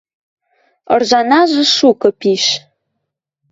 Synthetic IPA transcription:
ə̰rʒɑnɑʒə̆ʃukə̆piʃ

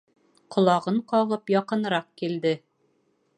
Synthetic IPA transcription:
qʰŏlˠɑʁɤɴqɒʁɤpjɒqɤ̆nɾɑq̚kild̪ɘ

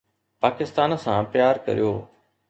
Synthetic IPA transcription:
paːkɪst̪aːnsãːpjaːɾkɐ̰ɾijoː

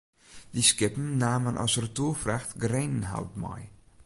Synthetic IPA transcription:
d̥iskɪpm̩naːmənʔa̰sərtuːfraxtɡreːnnɦa̰wtmɔ̰j

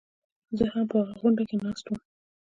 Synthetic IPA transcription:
zəhampəɣaɣʊɳɖakenɑst̪um

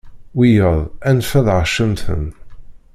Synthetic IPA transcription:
wijəðˤænfæðʁʃəmθə̰n

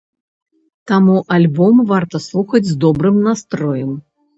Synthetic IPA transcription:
t̪amuʔalʲbɔmvart̪ɐslˠuxɐd͡zʲzd̪ɔbɾɨmnast̪ɾɔjɐm

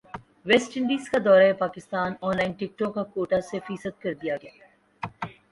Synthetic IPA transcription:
ʋɛsʈɪ̃ɳɖiːzkad̪ɔːɾaɦepaːkɪst̪aːnɔ̃ːnlaːɪnʈɪk̚ʈɔːkːakoːʈasefiːsət̪̚kɐɾd̪ijaɡɐja̰

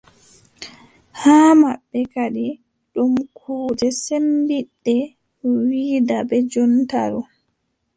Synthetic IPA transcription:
haːmabːɛkaɗi | ɗumkʰuːd͡ʒɛsembiɗːɛ | wiːdabɛd͡ʒɔnta̰ɾɔ

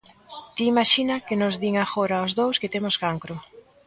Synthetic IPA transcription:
t̪iːmaʃinakenʊzðiŋaxoɾaozðowsket̪emʊskaŋkɾʊ

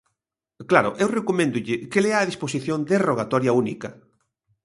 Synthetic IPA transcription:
klaɾʊ̰ʔewrekomẽnd̪uʎɪkeleaːðisposiθjond̪eroɣat̪ɔɾjaunikɐ

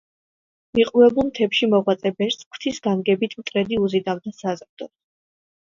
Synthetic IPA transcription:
miqʼuvɛbulˠmt̪ʰɛpʃimɔʁwat̪sʼɛbɛɾskʰt̪ʰisɡanɡɛbit̪ʰmt̪ʼɾɛd̪iuzid̪avd̪asazɾd̪̥ɔ

